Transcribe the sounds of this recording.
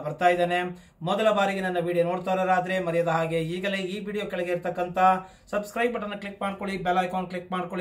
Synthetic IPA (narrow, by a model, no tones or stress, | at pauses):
bɐɾt̪aːjd̪eːne | mɔd̪ɐlɐbaːɾiɡe̞nɐnːɐʋiːɽijono̞ːɽt̪aːɾoːɾaːd̪ɐɾe̞mɐɾɛjɐd̪ɐɦaːɡe̞iːɡɐleiːʋiːɽijoːkɛɭɐɡe̞ːiɾt̪ɐkːɐnt̪ʰɐ | sɐbskɾɐjbɐʈɐnːɐkɭikmaːɖko̞ɭibelaːjkoːnklikmaːɽkoɭi